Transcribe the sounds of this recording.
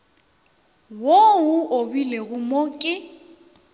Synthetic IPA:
woʊʔobileɣʊmokʼɪ

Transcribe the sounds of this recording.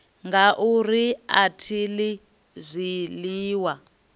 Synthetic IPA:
ŋɡaʔuriatʰili | zʷiliːwa

